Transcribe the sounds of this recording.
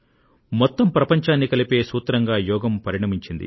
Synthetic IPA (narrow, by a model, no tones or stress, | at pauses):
mɔt̪ːɐmpɾɐpɐɲt͡ʃaːnːikɐlipe̞ːsuːt̪ɾɐŋɡaːjɔːɡɐmpɐɾiɳɐmiɲt͡ʃind̪ḭ